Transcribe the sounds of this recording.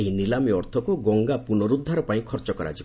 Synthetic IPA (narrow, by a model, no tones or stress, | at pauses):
eɦinilamiɔɾt̪ʰɔkuɡɔŋɡapunɔɾud̪ʱːaɾɔpaĩkʰɔɾt͡ʃɔkɔɾa̰d͡ʒib